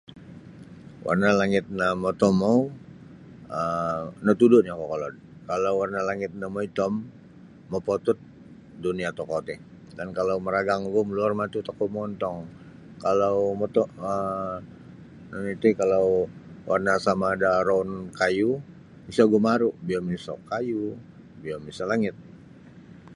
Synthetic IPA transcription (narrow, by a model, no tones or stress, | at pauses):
wʔa̰rnalaŋɪt̪̚namot̪ɔmaw | ənat̪udʊʔɲakɔkɔlɔd̚ | kalawwarnalaŋɪt̪̚namoit̪ɔmː | opot̪ʊt̪̚ | duniat̪ɔkot̪ɛ | dankalawməɾaɡaŋɡʊmluarmat̪ut̪akɔʔmɔnt̪ɔŋ | kalawmɔt̪ɔʔə | nait̪ukalawwʔarnasamaːdaɾɔnkaju | misaɡumaɾubiamisɔ̰kaju | biamisalaŋɪt̪̚